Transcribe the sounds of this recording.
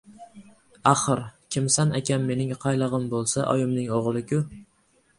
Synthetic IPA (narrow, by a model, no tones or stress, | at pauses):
aχɨɾkʲʰɪmsanakʲanme̞nɪŋqʰɑjlˠɨʁɨmbolˠsaʔɒ̰jɪmnɪŋoʁlˠɪkʰʲʊ